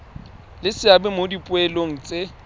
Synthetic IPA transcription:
lɪsɪabɛmodipʼʊɛloŋ̩t͡sʼe

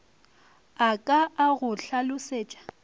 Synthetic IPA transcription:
akʼaaɣʊɬʰalʊseːt͡ʃʼḁ

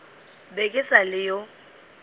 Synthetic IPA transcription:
bekʼɪsalɪjo

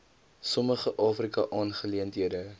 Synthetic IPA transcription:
sɔməχəʔɑːfrikɐʔɑːnχəliəntɦiədə

